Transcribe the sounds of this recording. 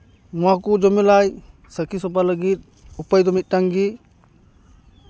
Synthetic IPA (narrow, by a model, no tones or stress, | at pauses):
makud͡ʒɔmilaj | səkisɔpaləɡit̪̚ | upajd̪ɔmit̪̚ˀʈaŋɡi